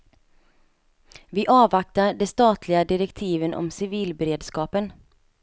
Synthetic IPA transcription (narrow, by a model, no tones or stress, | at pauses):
vɪʔɑːvak̚t̪aɖɛst̪ɑːt̪ʰlɪɡad̪ɪɾɛkt̪ʰiːvənʔɔ̰msɪviːlbɛɾeːd̪skɑːpən